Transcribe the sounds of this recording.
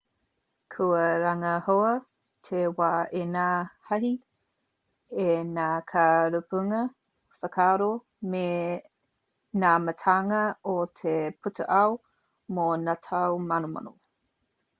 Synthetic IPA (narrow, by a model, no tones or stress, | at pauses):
kʰuəɾaŋɐhoɐ | tʰewaːʔenahɐɦi | enaːkʰaɾupuŋɐ | fəkʰaːɾo | me | naːmətʰaŋɐotʰepʰutʰuʔaw | monatʰawmanoma̰no̰